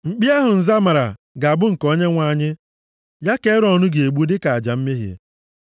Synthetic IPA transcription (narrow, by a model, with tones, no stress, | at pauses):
ŋ͡m̩˨k͡pi˦a˦ɦʊ˨n̩˨za˦ma˨ɾa̰˨ | ɡa˨a˨bʊ˦ŋ̩˨kɔ˦ɲe˦ŋʷa˦˨ɲɪ˦ | ja˦ke˦ɾɔ˨nʊ˦ɡe˨e˨ɡ͡bu˦dɪ˦ka˨a˨d͡ʒa˨m̩˦me˦ɦjḛ˨